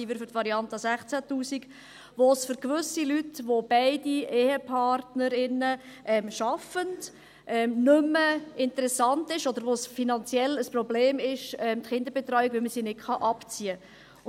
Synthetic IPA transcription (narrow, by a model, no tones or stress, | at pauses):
ivɪɾfʏɾtʋɑɾiɑntɑsæχt͡sætuːsik | ʋosfʏɾkʋʏsilytʋob̥eɪdieːhəpʰɑɾtnəɾɪnə | ʔɛmʃɑfənd | ʔɛmnʏmːəɪntəɾɛsɑntɪʃɔd̥̪əɾʋosfinɑnt͡sjɛləspɾɔbleːmɪʃɛmt̪χɪnd̪əɾbɛt̪ɾœʏikʋɪlməsinɪtχɑʔɑpt͡siə